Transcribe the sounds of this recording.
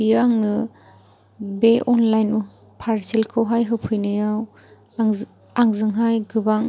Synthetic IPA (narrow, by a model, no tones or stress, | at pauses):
biaŋnɯ | beʔɔnlajnu | pʰaɾsilkʰɯwɦajɦɯpʰɯjnɯjaw | aŋzɯŋɦajɡɯbaŋ